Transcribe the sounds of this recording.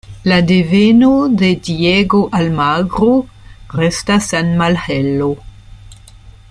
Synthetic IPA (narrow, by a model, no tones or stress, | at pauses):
ladevenode̞dieɡoʔalmaɡɾoɾestasanmalhelo